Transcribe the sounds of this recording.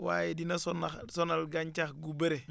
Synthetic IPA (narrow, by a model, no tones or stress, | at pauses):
wa̰ːjedinasonasonalɡaɲt͡ʃaxɡubeɾe